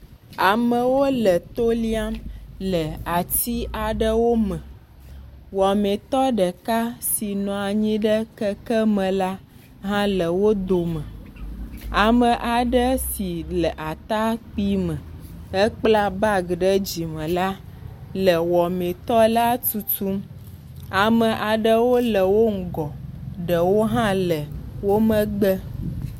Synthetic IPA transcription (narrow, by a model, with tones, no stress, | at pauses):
a˨mə̃˨wo˦lə˨t̪o˦li˦a˦mlə˨a˨t̪i˦a˨ɖə˦wo˦mə̃˨ | wɔ˨mẽ˨t̪ɔ˦ɖə˨ka˦si˨nɔ̃˨a˨ɲĩ˦ɖə˦kə˦kə˦mə̃˨la˦ | ɦã˦lə˨wo˦d̪o˨mə̃˨ | a˨mə̃˨ʔa˨ɖə˦si˨lə˨ʔa˨t̪a˦k͡pi˦mə̃˨ | ə˦k͡pla˦ba˦ɡɖə˦d͡ʑi˨mə̃˨la˦lə˨wɔ˨mẽ˨t̪ɔ˦la˦tu˦tu˦m | a˨mə̃˨ʔa˨ɖə˦wo˦lə˨wo˦ŋ̩˨ɡɔ˨ɖə˨wo˦ɦã˦lə˨wo˦mə̃˦ɡ͡bə˦